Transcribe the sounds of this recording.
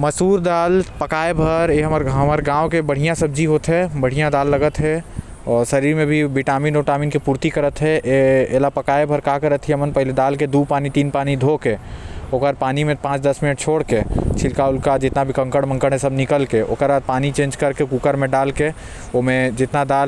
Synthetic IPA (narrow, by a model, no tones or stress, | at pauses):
məsuːɾd̪aːlpəkaːebʱəɾeɦəməɾɦɐməɾɡãːõkebəɽ̤ijãsəb̚d͡ʒiɦoːt̪ɦɛbəɽ̤ijãd̪aːlːəɡət̪ɦɛ | ɔːɾsəɾiːɾmẽbʱibiʈaːmiːnoːʈaːmiːnkipuːɾt̪ikəɾət̪ɦɛʔeeːlapəkaːebʱəɾkakəɾət̪ʰiemənpəɦled̪aːlked̪uːpaːnit̪iːnpaːnid̪ʱoːkeoːkəɾpaːnimẽpãːt͡ʃd̪ɐsmɪnəʈ̚t͡ʃʰoːɽket͡ʃʰɪlkaʊlkad͡ʒɪt̪nabʱikə̃ŋkəɽmə̃ŋkəɽɦẽsəbnɪkəlkeʔo̰ːkəɾad̪̚paːnit͡ʃẽːnd͡ʒkəɾkekuːkəɾmẽɖaːlke | omẽd͡ʒɪt̪nad̪aːl